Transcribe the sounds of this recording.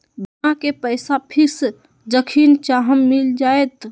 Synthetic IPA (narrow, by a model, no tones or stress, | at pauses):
bənakepəjsapʰiɾs | d͡ʒəkʰint͡ʃaɦəmːild͡ʒaet̪